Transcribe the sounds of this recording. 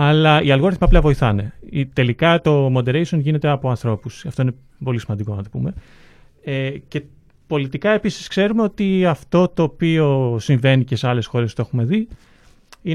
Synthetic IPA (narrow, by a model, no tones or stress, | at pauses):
ɐlɐiɐlɣo̞ɾiθimɐplɐvo̞iθɐne̞it̪e̞likɐt̪o̞mod̪e̞ɾejsonʝine̞t̪e̞ɐpo̞ɐnθɾo̞pusɐft̪o̞ine̞ | po̞lisimɐnd̪iko̞nɐt̪opume̞ | ece̞ | po̞lit̪ikɐe̞pisi̥skse̞ɾumeo̞t̪iɐft̪o̞t̪o̞ːpio̞siɱve̞nice̞seɐle̞sxo̞ɾespt̪e̞xume̞ði | i